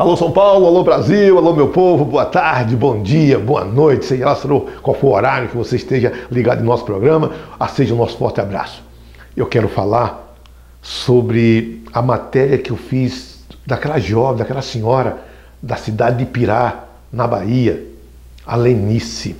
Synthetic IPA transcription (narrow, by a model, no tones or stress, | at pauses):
alosɐ̃w̃pawlʊalobɾaziwalomewpovʊboɐt̪aɾd͡ʒɪbõd͡ʒiɐbõɐ̰nojt͡ʃɪ̥seʒelasenokwawfoɾoɾaɾjʊkɪvoseist̪eʒɐliɡad̪ʊɪ̃nɔsʊ̥pɾoɡɾɐ̃mɐaseʒɐʊ̃nɔsʊ̥fɔ̰ɾt̪ɪabɾa̰sʊ̥ | ewkɛɾʊfalaɾ | sobɾɪɐmat̪ɛɾiɐkɪewfiz | d̪akɛlɐʒɔvɪ̃d̪akɛlɐsẽɲɔɾɐ | d̪ɐsid̪ad͡ʒɪd̪ɪpiɾa | nɐba̰iɐ | alenisɪ